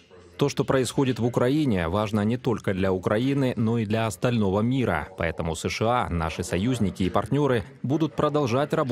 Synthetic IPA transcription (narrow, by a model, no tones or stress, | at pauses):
t̪o̞ʂt̪o̞pɾəɪsxo̞dʲɪt̪vʊkɾɐinʲɪvaʐnənʲɪt̪o̞lʲkəd̪lʲɐʊkɾɐinɨno̞id̪lʲɐɐst̪ɐlʲno̞vəmʲiɾə̰pɐ̰ɛt̪əmʊsɨʂɨa̰na̰ʂɨsɐjuzʲnʲɪkʲɪːpɐrtʲnʲo̞ɾɨ | bud̪ʊt̪̚pɾəd̪ɐlˠʐatʲrɐb